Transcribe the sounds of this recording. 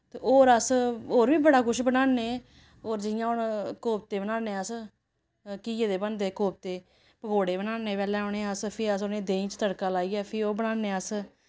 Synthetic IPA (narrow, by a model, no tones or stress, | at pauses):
t̪eːoːɾəsoːɾʋiːbəɽaːkʊʃbənaːneː | oːɾd͡ʒɪjãːʊnkoːp̚t̪eːbnãːneːəs | kiːeːd̪eːbənd̪eːkoːp̚t̪eː | pəkʰoːɽeːbənaːneːpɛːlɛ̃ːoːɳeːəspʰeːəs̬onẽːd̪eːĩːt͡ʃt̪əɽkaːlaːiːɛːpʰɪoːbənaːnːeːəs